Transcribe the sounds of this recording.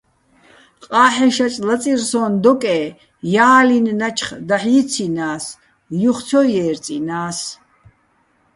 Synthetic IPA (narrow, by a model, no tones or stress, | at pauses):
qʼaːħɛʃat͡ʃʼlat͡sʼirsɔːnd̪ɔkʼɛː | jaːlinːat͡ʃʰχd̪aħiːt͡sʰinaːs | juχt͡sʰɔjɛːɾt͡sʼḭnaːs